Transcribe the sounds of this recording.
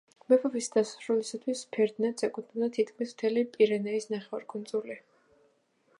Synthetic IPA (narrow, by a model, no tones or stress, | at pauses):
mɛpʰɔvisd̪asɾulisat̪ʰwispʰɛɾd̪nɛt̪sʰɛkʼud̪ʰnɛd̪at̪ʰit̪kʰmismt̪ʰɛlipʼiɾɛnɛisnaχɛvaɾkʰʼund̪zʼuli